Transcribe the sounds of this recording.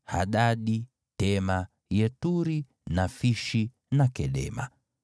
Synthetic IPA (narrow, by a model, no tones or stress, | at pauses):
ha̰ɗaɗi | tɛma | jɛtuɾi | nafiʃi | nakɛɗɛ̰ma̰